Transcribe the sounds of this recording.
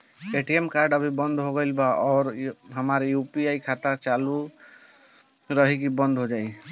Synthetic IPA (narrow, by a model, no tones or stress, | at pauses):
eʈiemkaɾɖəbʱibənd̪ʱɦoɡəɪlbaɔːɾɦəmaɾjupiaikʰat̪at͡ʃalu | ɾəɦikibənd̪ʱɦod͡ʒaj